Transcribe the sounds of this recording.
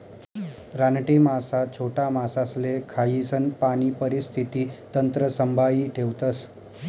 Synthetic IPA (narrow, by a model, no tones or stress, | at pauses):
ɾanʈimasat͡ɕʰoʈamasaslekʰajisənpaniːpəɾist̪ʰit̪iːt̪ənt̪ɾəsəmbʱaiːʈʰeʋt̪əs